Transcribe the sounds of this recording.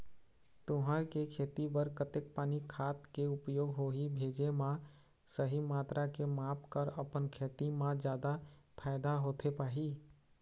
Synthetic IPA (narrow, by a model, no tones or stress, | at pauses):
t̪ʊɦaɾkekʰeːt̪ibəɾkət̪ek̚paːnikʰaːt̪keʊpjoːɡɦoɦibʱeːd͡ʒemã | səɦimaːt̪ɾakemaːpʰkəɾəpənkʰeːt̪imãd͡ʒjaːd̪apʰaɪd̪aɦoːt̪ʰepaːɦi